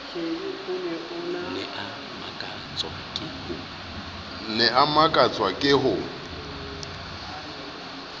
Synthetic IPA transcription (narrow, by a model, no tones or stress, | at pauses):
eiʊnɛʊnanɛʔa | makʼa | t͡sʼwakʼɪhʊ | nɛʔamakʼat͡sʼwakʼɪɦʊ